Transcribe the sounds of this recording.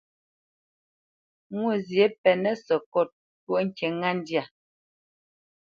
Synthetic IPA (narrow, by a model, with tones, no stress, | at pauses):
ŋwu˦˨zje˦pɛ˨nɛ˦sɔ˨kɔ˦˨t̚ | pwu˦ʔŋ̩˦˨kɛ˨ŋa˦˨n˦dja˨